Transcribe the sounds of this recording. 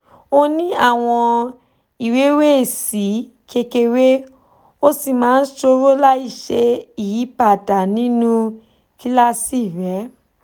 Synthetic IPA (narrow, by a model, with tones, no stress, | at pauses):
o˦nĩ˦a˦˨w̃ɔ̃˧ | i˨we˨˦we˦˨si˨˦ | ke˧ke˧we˦ | o˦si˦˨mãː˨˦n̩˦ʃo˧ɾo˦la˦i˦˨ʃe˧i˦˨ji˨˦pa˦˨da˨nĩ˦nũ˦ | ki˦la˦si˦˨ɾɛ˨˦